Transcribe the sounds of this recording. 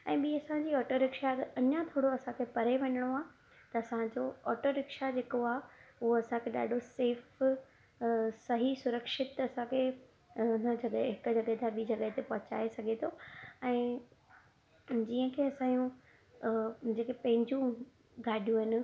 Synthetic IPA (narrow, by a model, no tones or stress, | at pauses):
ɛ̃ːɓiːɐsãd͡ʑiːɔːʈoɾɪkʃaɐɲat̪ʰoːɽoɐsãkʰepɐɾeʋɐ̃ɲəɽ̃oaː | t̪ɐɐsãd͡ʑoɔːʈoɾɪkʃad͡ʑeːkoaːʊɦoɐsãkʰeɗa̰ːɖʱoseːf | sɐɦisʊɾəkʃɪt̪ɐsãkʰe | ʊn̤əd͡ʑɐɠəɦɪkʊ̆d͡ʑɐɠəɦet̪ʰaɓiːd͡ʑɐɠəɦet̪epɐɦʊ̃t͡ɕa̰ːesɐɡʱet̪ʰoɛ̃ː | d͡ʑiːə̃kʰeːɐsãːjũ | d͡ʑeːkepɐ̃ɦɪ̃ɲd͡ʑũ | ɡaːɖʱijũɦɪnɪ̆